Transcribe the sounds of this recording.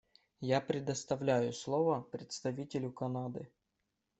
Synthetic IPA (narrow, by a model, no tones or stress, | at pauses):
japɾʲɪd̪ɐst̪ɐvlʲæjʊslˠovɐpɾʲɪt̪st̪ɐvʲitʲɪlʲʊkɐnad̪ɨ